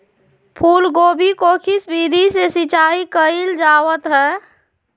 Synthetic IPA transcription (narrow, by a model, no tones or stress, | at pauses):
pʰuːlɡobʱikokʰisbid̪ʱisesit͡ʃaikəild͡ʒawət̪ɦɛ